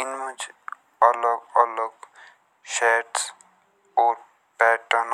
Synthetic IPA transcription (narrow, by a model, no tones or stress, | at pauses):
ɪnmʊd͡ʒ | ələɡələɡ | ʃɛːʈs | ɔːɾ | pɛːʈən